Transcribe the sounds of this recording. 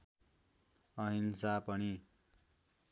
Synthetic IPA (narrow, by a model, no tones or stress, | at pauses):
ʌɦinsapʌni